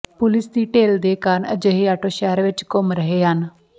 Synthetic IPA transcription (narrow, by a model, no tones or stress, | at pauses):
pʊlɪsd̪iːʈeːld̪eːkəːɾəɳə̰d͡ʒeːɦeːaːʈoːʃɛːəɾʋɪt͡ʃkʊmɾəɦeːɦən